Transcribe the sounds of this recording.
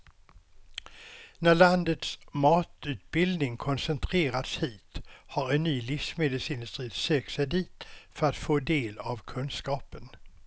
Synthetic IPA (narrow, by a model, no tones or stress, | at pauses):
næɭand̪ət̪smɑːt̪ʉ̟ːt̪̚bɪld̪nɪŋkʰɔnsɛnt̪ʰɾeːɾat̪shiːt̪haɾɛnːyːlɪfsmed̪əlsɪnd̪ɵst̪ɾiːt̪søːksɛjd̪iːt̪fœɾat̪foːd̪eːlavkʰɵnskɑːpən